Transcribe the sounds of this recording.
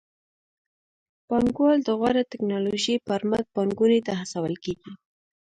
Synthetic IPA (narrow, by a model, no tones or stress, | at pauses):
b̥ɑŋɡwɑld̪əɣwaɾat̪ɪknɑloʒipaɾmat̪̚b̥ɑŋɡunet̪aɦasawəlkeɡi